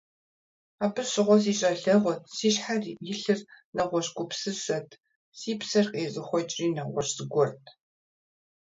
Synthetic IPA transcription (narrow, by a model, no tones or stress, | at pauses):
aːbɨrɕɪʁʷɔs̬iːɕʼɐɬɐʁʷɔtʰsiːɕħarjɪɬɨrnɐʁʷɔɕɡʷʊpsɨsɐtʰ | siːpsɐrqʼeːzɨxʷɔt͡ʃʼriːnɐʁʷɔ̰ɕz̥ɨɡʷɔrtʰ